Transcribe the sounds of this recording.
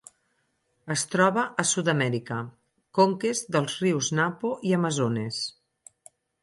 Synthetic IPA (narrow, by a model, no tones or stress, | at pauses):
əst̪ɾɔβəʔːsuðəmɛɾikə | koŋkezðəlˠzriwznapoiəməzones